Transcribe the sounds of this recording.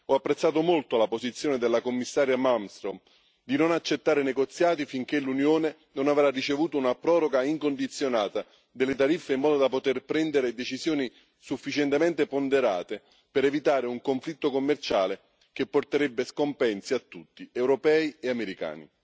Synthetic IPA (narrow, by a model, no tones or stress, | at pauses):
ɔapːɾet̪sːaːt̪̬omolt̪oalapozit̪sːjoːned̪elːakomːisːaːɾjamamst̪ɾom | d̪inonat͡ʃːet̪ːaːɾenɛɡot̪sːjaːt̪ifiŋk̟elunjoːne | nonavɾarit͡ʃevuːt̪ounapɾɔːɾoɡaiŋkond̪it̪sːjonaːt̪a | d̪elːɪt̪aɾifːeimːɔːd̪od̪apot̪erpɾɛnd̪eɾed̪et͡ʃizjoːni | sufːit͡ʃɛnt̪emɛnt̪epond̪eɾaːt̪e | peɾɛvit̪aːɾeuŋkoɱflit̪ːokomːert͡ʃaːle | k̟epːort̪eɾɛbːeskompɛnsiat̪ːut̪ːiɛwɾopɛːieameɾika̰ːnḭ